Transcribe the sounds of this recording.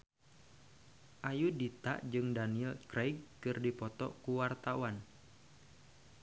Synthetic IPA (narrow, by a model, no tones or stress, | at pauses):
ʔajudit̪a̰ʔd͡ʒɨŋdaniɛlkɾajɡ̚kɨrdipɔt̪ɔ̰kuwart̪awan